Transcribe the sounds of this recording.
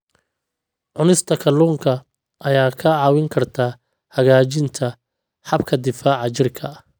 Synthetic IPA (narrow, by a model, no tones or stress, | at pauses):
ʕʊnɪst̪ʰɐkʰɐluːŋkʰɐ | ʔɐjaːkʰɐʕɑːwɪŋkʰɐrt̪ʰaː | hɐɣaːt͡ʃɪnt̪ʰɐ | ħɑbkʰɐd̪ɪfaːʕɑt͡ʃɪrkʰɐ